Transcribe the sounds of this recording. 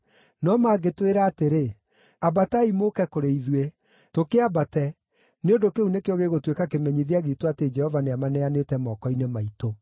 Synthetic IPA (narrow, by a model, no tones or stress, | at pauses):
nɔmaːɡetweɾaːteɾe | abataimokɛkoɾeiðwe | tokeabatɛ | neondokeunekeɔɣeɣotwekakemɛɲiðiaɣitoated͡ʒɛhɔvaneamanɛanetɛmɔkɔinemaito